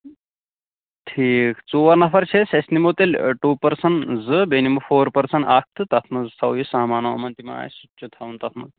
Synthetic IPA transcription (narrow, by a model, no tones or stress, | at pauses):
ʈʰiːkt͡suʋɐɾnɐfʰɐɾt͡ʃʰesesnimot̪elʲʈuːpɐɾsɐɳzɨbenimɐfoːɾpɐɾsɐɳak̚t̪ʰɨt̪ɐt̪ʰnɐzɨsʰɐwjisɐɦmaːnɐʋɐmɐnt̪ima̰ːjsut͡ʃʰut̪ʰaʋunt̪ɐt̪ʰnɐ̰